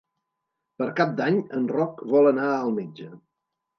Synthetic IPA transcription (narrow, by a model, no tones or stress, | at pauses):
pəɾkap̚d̪aɲənrɔkβɔlənaəlˠmed͡ʒə